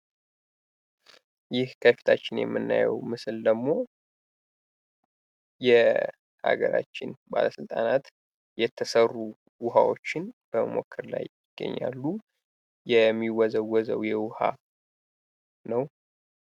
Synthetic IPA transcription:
jɪhkʰəfi̥t̪ʰat͡ʃːɪnjɛ̰mːɨnːajɛ̰wmɨsɨld̪əmo̞ | jɛ | ha̰ɡəɾa̰t͡ʃːɪnbaləsɨlt̪ʼanat̪ | jɛt̪ʰːəsərːu | wʊɦawo̞t͡ʃːɪnb̥əməmo̞̰kʰːɨɾla̰jɪɡ̥ːə̰ɲːalːu | jɛmːiwɔzəwɔzəwjɛwʊha | nəw

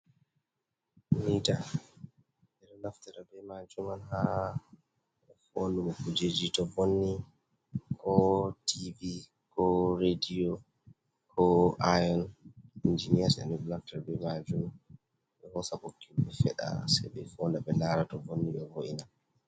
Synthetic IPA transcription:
mita | dɛɾɔlaftɛɾabɛmad͡ʒumanha | ɛfonduɔkud͡ʒed͡ʒitɔvonːi | kʰɔtʰivi | kɔɾediɔ | kʰɔʔajɔnind͡ʒinijasɛ̰nɛɗɔlaftɛɾabɛmad͡ʒum | ɓɛhɔsabokʰːimbɛfɛɗa̰saɓɛfɔndaɓɛlaɾatɔvonːiɗɔvoʔina

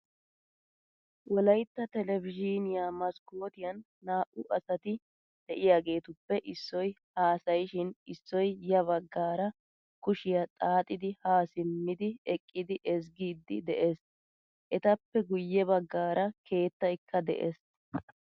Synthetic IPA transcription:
wɔlɐjt̪ːɐt̪ɛlɛvɪd͡ʒinɪjamɐskoːt̪ɪjɐnːaːʔʊʔɐsɐt̪ɪ | d̪̥ɛʔɪjaːɡe̞ːt̪ʊpːɛʔɪsːɔj | haːsɐjʃɪnɪsːɔjjɐβɐɡːaːɾɐ | kʊʃɪjɐt̪ʼaːt̪ʼɪd̪ɪhaːsɪmːɪd̪ɪɛkʼːɪd̪ɪʔɛs̬ɡiːd̪ːɪd̪ɛʔes | ʔɛt̪ɐpːɛɡʊjːɛβɐɡːaːɾɐkʰe̞ːt̪ːɐjkʰːɐd̪ɛ̰ʔḛs

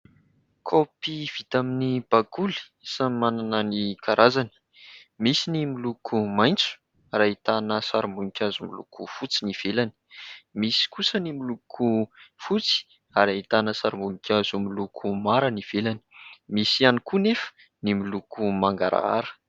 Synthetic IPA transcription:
kʰopiv̥it̪aminib̥aɡuli̥ | samimananənikʰaɾʔazani̥ | misinimilukʰumajnt͡su̥ | rait̪anəsaɾumbunikʲazumilṵkʰufut͡siniv̥elani̥misi̥kusənimilukʰufut͡si̥ | aɾait̪anəsaɾimbunikʲazumilukʰumaɾəniv̥elani̥misianikunefə̥ | nimilukumaŋɡa̰ɾa̰a̰ɾə̥

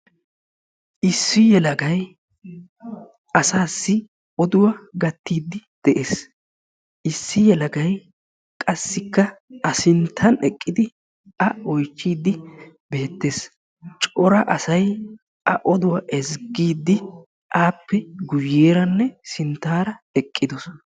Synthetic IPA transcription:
ʔɪsːɪjɛlɐɡɐj | ʔɐsaːsːɪ | ʔɔd̪ʊwɐɡɐt̪ːiːd̪ːɪd̪̥ɛʔeːs | ʔɪsːɪjɛlɐɡɐj | kʼɐsːɪkːɐɐsɪnt̪ʰːɐnɛkʼːɪd̪ɪ | ɐɔjt͡ʃːiːd̪ːɪ | be̞ːt̪ːeːs | t͡ʃʼɔɾɐʔɐsɐj | ʔɐ̰ʔɔd̪ʊwɐʔɛzɡiːd̪ːɪ | ʔaːpːɛɡʊjːeːɾɐnːɛsɪnt̪ːaːɾɐɛkʼːɪd̪ɔs

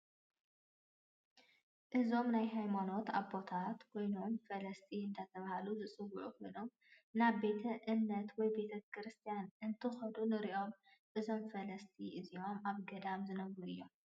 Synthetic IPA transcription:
ʔɨzo̞mnajɦajmano̞t̪aβbo̞t̪ʰat̪kʰo̞jnomfɐlɐst̪ʰiɨnt̪ʰat̪ʰɐβahaluzɨt͡sʼɨwːuʕukʰo̞jnom | naβbe̞t̪ʰɐʔɨnːɐt̪wɔjbe̞t̪ʰɐkʰɾɨst̪ʰijanʔɨnt̪ʰɨxɐd̪unɨɾiʔo̞m | ʔɨzo̞mfɐlɐst̪ʰiʔɨziomʔaβɡɐd̪amzɨnɐβɾuɨjːo̞m

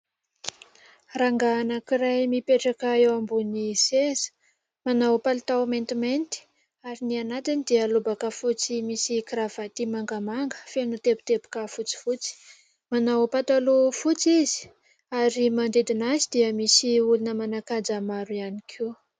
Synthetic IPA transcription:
raŋɡaːnəkiɾajmipeʈ͡ʂakaewambunisezə̥ | manawpalt̪awment̪iment̪i̥ | aɾinianat̪inid̪iəlobakafut͡simisikiɾav̥at̪imaŋɡamaŋɡə̥fenut̪ebu̥t̪epu̥kafut͡si̥fut͡si̥ | manawpat̪alufut͡sizi̥ | aɾimand̪ed̪inazid̪iəmisiulunəmanakad͡zamaɾuianikʰe

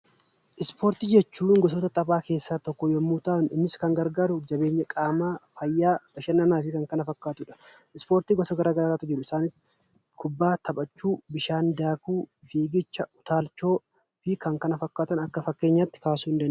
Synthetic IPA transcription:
ʔɪspʰo̞ːɾt̪iːd͡ʒɛt͡ʃːuːŋɡɔs̬oːt̪ɐt̪ʼɐbaːke̞ːsːaːt̪ɔkːɔjomːuːt̪aːnɪnːɪskɐŋɡɐɾɡaːɾʊd͡ʒɐbe̞ːɲːɐkʼaːmaːfɐjːaːb̪ɐʃɐnːɐnaːfɪkɐŋkɐnɐfɐkːaːt̪ʊᶑɐ̥ | ɪspo̞ːɾt̪iːɡɔsɐɡɐɾaːɡɐɾaːɾaːt̪ʊd͡ʒɪɾʊɪsaːnɪs | kʰʊbːaːt̪ʰɐbɐt͡ʃːuːbɪʃaːnd̪aːkuːfiːɡɪt͡ʃːɐʔʊt̪aːlt͡ʃːo̞ː | fɪkɐŋkɐnɐfɐkːaːt̪ɐnɐkːɐfɐkːe̞ːɲːat̪ːɪ̥kaːsuːɪnd̪ɐnʊ

